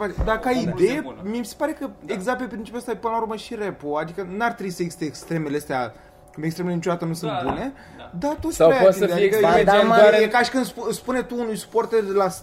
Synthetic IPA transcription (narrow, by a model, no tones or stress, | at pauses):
fat͡ʃed̪akaid̪e̞jemiemise̥paɾe̞kəeɡzakt̪̚pepɾint͡ʃi̥pʲjuoəst̪apɨnəlauɾrməʃiɾepoad̪ikənuarʲt̪ɾebisəeɡsi̥t̪eːkst̪ɾe̞meleəst̪ea | kumbekst̪ɾemelenit͡ʃo̞d̪at̪ənusɨnt̪̚bune̞ | d̪at̪ussaejaoisəd̪ead̪ikəeamaekaʃi̥kɨnd̪sspune̞t̪uːnujsu̥port̪erd̪elas